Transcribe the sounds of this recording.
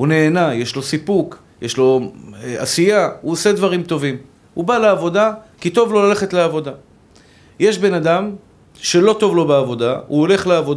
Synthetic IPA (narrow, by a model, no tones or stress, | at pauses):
une̞ːnaje̞ʃlo̞sipuk | jeʃlo̞asijauose̞d̪vaʁimt̪o̞vim | ubaleːvo̞d̪akit̪o̞vlo̞lale̞χet̪leavo̞d̪a | je̞ʃbe̞nad̪am | ʃe̞lo̞t̪o̞vlo̞beavo̞d̪auole̞χleavod